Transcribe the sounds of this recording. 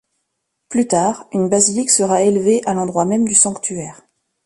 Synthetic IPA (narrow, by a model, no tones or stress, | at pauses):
plyt̪aːʁynbaziliksəʁaelveʔalɑ̃d̪ʁwamɛmd̪ysɑ̃kt̪ʰyɛːʁ